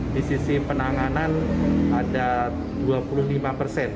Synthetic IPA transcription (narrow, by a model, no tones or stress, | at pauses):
disisipənaŋananada | duapulʊhlimapərsɛn